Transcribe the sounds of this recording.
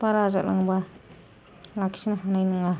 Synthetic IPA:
paɾaza̰la̰ŋba | laki̥sinaɦanajnɯŋa

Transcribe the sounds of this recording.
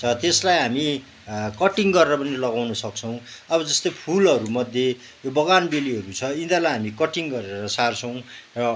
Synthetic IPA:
t͡sʰʌt̪eslajɦami | kʌʈiŋɡʌɾeɾʌpʌnilʌɡawnʌsʌk̚t͡sʰʌw̃ʌbʌd͡zʌst̪ojpʰulʌɾumʌd̪ʱje | jobʌɡanbeliɦʌɾut͡sʰʌind̪alajɦamikʌʈiŋɡʌɾeɾʌsart͡sʰʌw̃rʌ

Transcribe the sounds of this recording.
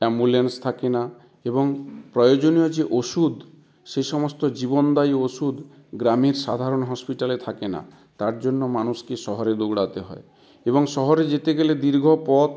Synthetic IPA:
embulenst̪ʰakena | ebɔŋpɾɔjod͡ʒonijɔd͡ʒeʔosud̪ | ʃeʃɔmɔst̪ɔd͡ʒibɔnd̪ajosud̪ | ɡɾamiɾsa̰d̪ʱaɾonɦɔspiʈalet̪ʰakena̰ | t̪aɾd͡ʒonːomanuskeʃɔɦɔɾed̪oɡɽat̪eɦɔe | ebɔŋsɔɦɔɾed͡ʒet̪eɡeled̪iɾɡʱɔpɔt̪

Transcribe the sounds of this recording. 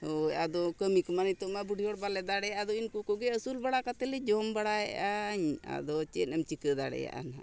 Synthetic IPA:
hojad̪ɔkəmikmanəjt̪ɔmabuɖʱiɔɽbalɛd̪aɽɛad̪ɔinkukɔɡɛəsulbaɽakat̪ɛlɛd͡ʒɔmbaɽaɛʔaɲa̰d̪ɔt͡ʃɛnəmt͡ʃikəd̪aɽɛ̰ja̰ʔa̰nɦa̰

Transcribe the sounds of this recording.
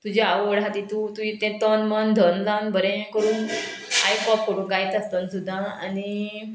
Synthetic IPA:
t̪ud͡ʑeaʋəɽat̪it̪ut̪uĩt̪ẽt̪ənmənd̪ʱənlanbʱəɾẽkəɾũːn | ajpɔpkoɽuɡajt̪ast̪ənsud̪ʱːãa̰ni

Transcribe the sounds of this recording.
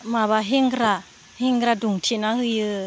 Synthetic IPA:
maβaɦeŋɡɾa | heŋɡɾaduŋtʰenahɯjɯ

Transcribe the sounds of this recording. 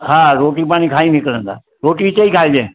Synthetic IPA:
hãːɾoːʈipaːɽ̃ikʰaːinikəɾə̃nd̪a̰ː | ɾoːʈit͡ʃəikʰaːed͡ʒẽː

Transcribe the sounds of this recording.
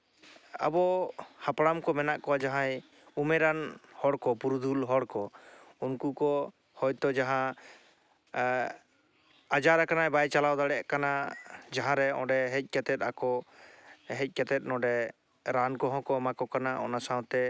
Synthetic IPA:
a̰bɔhapɽamkɔmɛnaʔkɔwad͡ʒaɦãj | umɛɾanhɔɽkɔpuɾud̪ʱulɦɔɽkɔ | unkukɔ | hɔjt̪ɔd͡ʒaɦã | ad͡ʒaɾakanajbajt͡ʃalawd̪aɽɛʔkanad͡ʒaɦãɾɛɔ̃ɖɛɦɛc̚ˀkɛt̪ɛt̪̚akɔ | ɦɛc̚ˀkɛt̪ɛt̪̚nɔ̃ɖɛ | ɾankɔɦɔ̃kɔmakɔkanaʔɔnasãw̃t̪ɛ

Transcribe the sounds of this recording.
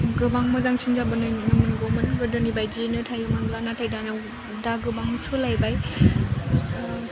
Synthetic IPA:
ɡɯbaŋmɯzaŋsinzabɯnɯnɯmɯnɡomɯnɡɯdɯnibajd͡ʒinɯtʰajɯmanlanatʰajdanɯw | daɡɯbaŋsɯlajbaj

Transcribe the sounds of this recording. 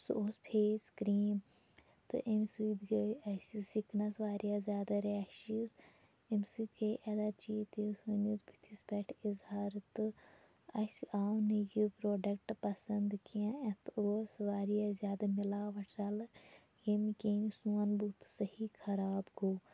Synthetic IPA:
soːspʰeːskɾiːm | t̪ɨ̰ʔimsid̪ɡeɐsisiknɐsʋaːɾijazʲjaːd̪aɾaːʃiz | imsid̪ɡɐʔɐd̪at͡ʃiːt̪isɨnizbʱi̥t̪ʰisbeʈʰizhaːɾt̪ɨ | ɐsiʔaːwnijipɾoːɖɐk̚ʈpɐsɐnd̪kiãet̪osʋaːɾijazjaːd̪amilaːʋɐʈʰɾɐl | jemikeːnsuɐnbut̪sɐhikʰɐɾaːbɡoː

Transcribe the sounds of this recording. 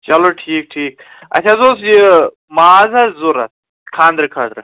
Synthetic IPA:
t͡ʃɐloːʈʰiːk̚ʈʰiːk̚ | ɐ̰t̪ʰʲazoːsd͡ʒi | maazazuɾɐ̰t̪̚ | kʰãːnd̪ɾɨkʰaːd̪ɾɨ

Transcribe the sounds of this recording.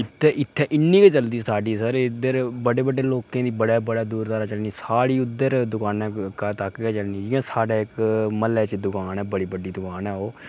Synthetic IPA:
ɪt̪ʰːɛːʔɪt̪ʰːɛːʔɪnːiːket͡ʃəld̪iːsaːɖiːsəɾd̪əɾbəɖeːbəɖːeːloːkẽːd̪iːbəɽaːbəɽaːd̪uːɾt̪aːɾaːt͡ʃəlniːsaːɽiːʊd̪ːəɾd̪ʊkaːnɛːkət̪akɡɛːt͡ʃəlniːd͡ʒiãːsaːɖaːɪkməlɛːt͡ʃd̪ʊkaːnɛːbəɽiːbəɖiːd̪ʊkaːnɛːoː

